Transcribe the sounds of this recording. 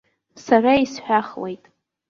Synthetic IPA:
saraisħʷᶣaχle̞jtʼ

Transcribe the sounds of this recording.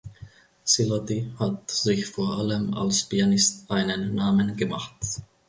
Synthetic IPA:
sɪlɔtihatz̥ɪçfoːɐʔaləma̰lspianɪstʔaɪnənːaːmənɡəmaχt

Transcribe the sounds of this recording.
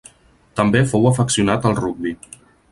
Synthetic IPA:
t̪əmbefowəfəksiunat̪əlˠruɡ̚bi

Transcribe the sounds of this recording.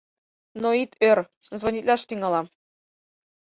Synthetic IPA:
noit̪ørʲ | zvonʲit̪ʲlʲɑʃt̪iŋɑlˠɑ

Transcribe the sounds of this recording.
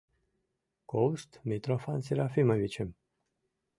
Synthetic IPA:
kowst̪mʲit̪ɾofansiɾafiməvit͡ɕem

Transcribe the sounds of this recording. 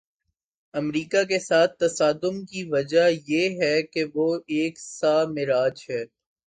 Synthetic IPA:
ɐmɾiːkak̬esaːt̪̚ʰt̪ːɐsaːd̪ʊmkiʋɐd͡ʒajeɦɛkeʋoeːksaːmɪɾaːd͡ʒɦɛː

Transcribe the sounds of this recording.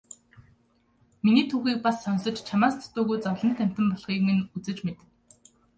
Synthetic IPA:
miniːt̪ʰuːxiːk̚pasːɔnsɞ̆t͡ɕt͡ɕʰamaːst̪ʰɔ̥t̪ʊːɣujt͡sɔwɮə̆n̥t̪ʰæm̥ʲt̪ɘ̆mpɔɮχiːkŋɘ̆nut͡sɘ̆t͡ɕmet̪ɘ̆

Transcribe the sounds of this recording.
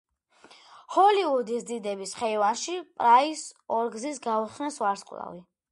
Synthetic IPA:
hɔliud̪isd̪id̪ɛbisχɛvaɾʃipʼɾaisɔɾɡzisɡauχnɛsvaɾsqʼlˠa̰vi

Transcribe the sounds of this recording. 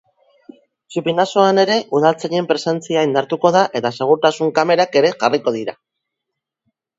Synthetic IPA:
t͡ʃupinaso̞ane̞ɾe̞ʔuð̞alt͡saʎe̞mpɾe̞se̞nt͡siaind̪aɾt̪uko̞ð̞aʔe̞t̪ase̞ɣ̞uɾt̪asuŋkame̞ɾake̞ɾe̞ʝariko̞ð̞iɾa

